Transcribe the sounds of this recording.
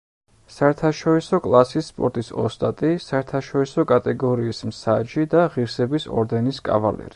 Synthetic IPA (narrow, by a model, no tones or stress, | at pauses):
saɛɾt̪ʰaʃɔɾisɔkʼlˠasisːpʼɔ̰ɾt̪ʼisɔ̰st̪ʼat̪ʼisaɛɾt̪ʰaʃɔɾisɔkʼat̪ʼɛɡɔɾiːsmsad͡ʒid̪aʁiɾsɛbisɔ̰ɾd̪ɛniskʼa̰valɛ̰ɾi